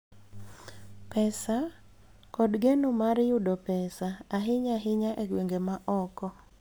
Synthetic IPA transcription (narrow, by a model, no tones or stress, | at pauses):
pɛsa | kɔdɡenʊmaɾjʊdɔpɛsaːɦɪɲaɦɪɲaʔeɡweŋɡemaʔɔkɔ